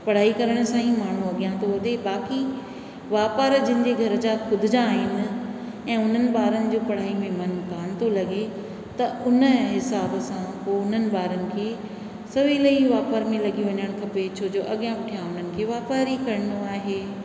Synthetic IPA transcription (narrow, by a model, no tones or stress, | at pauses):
pɐɽ̤aːikɐɾəɽ̃sãːĩmaːɳ̤ũɐɠijãt̪ʰoɦɐd̪ebaːki | ʋaːpəɾd͡ʑɪ̃nɪ̃̆ɲd͡ʑeɡʱɐɾəd͡ʑakʰʊd̪ʱɪd͡ʑãːɦɪnɪ̆ | ɛ̃ːʊn̤ənɪ̆baːɾənɪ̆d͡ʑoːpɐɽ̤aːimẽmɐnkaːnɪ̆t̪ʰolɐɠe | t̪ɐʊnə̆ɦɪsaːbsãpoːʊn̤ənɪ̆baːɾənɪ̆kʰeː | sɐʋilɐiʋaːpəɾmẽlɐɠijũʋɐɲəɽ̃kʰɐpet͡ɕʰoːd͡ʑoːʔɐɠijãʋɪʈʰijãʊn̤ənɪ̆kʰeːʋaːpaːɾikɐɾənoaːɦeː